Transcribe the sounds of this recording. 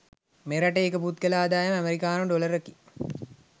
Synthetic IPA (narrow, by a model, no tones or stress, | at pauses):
meɾɐʈəekəput̪kɐlaːd̪aːjɐmæmeɾikaːnoɖoləɾəki